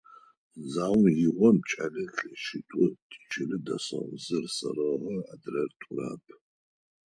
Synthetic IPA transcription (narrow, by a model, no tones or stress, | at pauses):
zaːwnjɪʁʷɔmt͡ʃʼɐnɨɬʃitʷʼʊtʰʼt͡ʃʰɪlɨdɐ̰sɐ̰ʔʷzɨrsɐ̰rɐʁɐadrɐrtʷʼʊra̰ːpʰ